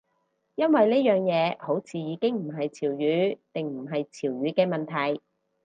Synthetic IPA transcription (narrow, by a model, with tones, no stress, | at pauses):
jɐ˥nwɐ˨jleː˥jœː˨ŋjɛː˨˧ho˨˥wt͡sʰiː˨jiː˨˧kɪ˥ŋm̩˨˩ɦɐ˨jt͡sʰiː˨˩wjyː˨˥t̪ɪ˨ŋm̩˨˩ɦɐ˨jt͡sʰiː˨˩wjyː˨˥kɛː˧mɐ˨nt̪ʰɐ˨˩j